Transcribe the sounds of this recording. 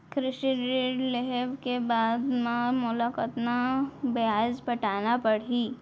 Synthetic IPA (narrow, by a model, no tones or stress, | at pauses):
kɾɪʃiɖɾiɖleɦɛʋkebaːd̪memʊlakət̪nabeaːd͡ʒbɐʈaːnapɐɽiː